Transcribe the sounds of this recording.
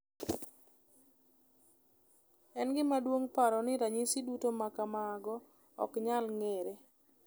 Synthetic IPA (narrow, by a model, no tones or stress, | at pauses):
ɛnɡɪmadwoŋpaɾɔnɪɾaɲisidutomakamaɡɔ | ɔ̰kɲalŋeɾe